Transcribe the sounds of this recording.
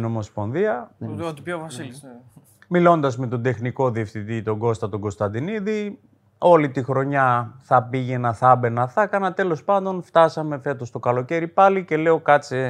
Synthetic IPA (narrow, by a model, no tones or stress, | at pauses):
no̞mo̞spo̞nðiɐot̪ipovɐsi | milo̞nd̪ɐzme̞t̪o̞d̪e̞xniko̞ðiefθit̪it̪o̞ɡo̞st̪ɐt̪o̞ɡo̞st̪ɐnd̪iniði | o̞lit̪ixɾo̞ɲɐθɐpiʝe̞nɐθɐbe̞nɐθɐkɐnɐt̪e̞lo̞spɐnd̪o̞nft̪ɐsɐme̞fe̞t̪ost̪o̞kɐlo̞ce̞ɾipɐlice̞le̞o̞kɐt͡si